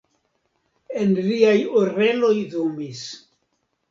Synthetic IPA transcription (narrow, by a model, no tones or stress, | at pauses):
e̞nliajoɾe̞lo̞jðumis